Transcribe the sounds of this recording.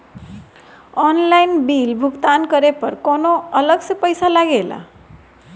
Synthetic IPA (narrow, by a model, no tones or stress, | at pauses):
ɔnlainbilbʱuɡt̪ankəɾepəɾkonoələɡsəpəjsalaɡela̰